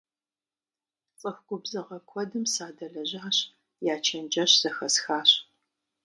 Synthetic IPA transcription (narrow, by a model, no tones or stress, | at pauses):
t͡sʼɨxɡʷʊbzɐʁɐkʷʰɔdɨmsaːdɐɮɐʑaːɕ | jaːt͡ʃʰɐnd͡ʒɐɕz̥ɐxɐsxaːɕ